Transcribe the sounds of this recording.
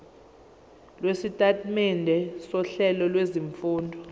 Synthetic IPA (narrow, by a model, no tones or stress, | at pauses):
lwesitʼatʼmɛndʱɛsɔɬɛlɔlweziɱfuːndʱɔ